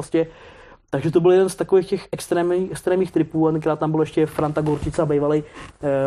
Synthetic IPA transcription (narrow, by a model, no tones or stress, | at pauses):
oscɛ | t̪aɡʒɛt̪obɪljɛdɛnst̪akovexcɛxʔɛkst̪ɾɛːmɛkst̪ɾɛːmɲiːxt̪ɾɪpuːat̪ɛnkɾaːt̪t̪ambɪlojɛʃcɛfɾant̪aɡoɾt͡ʃɪt͡sabɛjvalɛj